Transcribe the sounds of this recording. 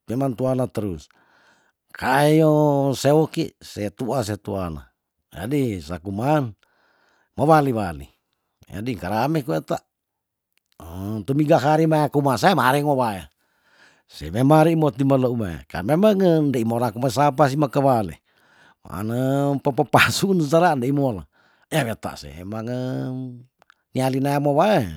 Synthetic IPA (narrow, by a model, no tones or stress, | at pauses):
memant̪uanat̪əɾus | kʰaejosewɔkḭset̪uas̬et̪uana̰ | d͡ʒa̰disakuman | maβaliβalḭ | ja̰diŋkaɾamekuet̪a | t̪umiɡaɦaɾimajakumasaemaɾɛŋoβaja̰ | sɛ̰memaɾimot̪imaloumaḛka̰memaŋəndeimolakumasap̬as̬imakəβalḛ | ma̰ʔa̰nəpapapasunsaɾandeimola̰ | jaβet̪a̰ʔsḛḛmaŋə | nialinaemoβae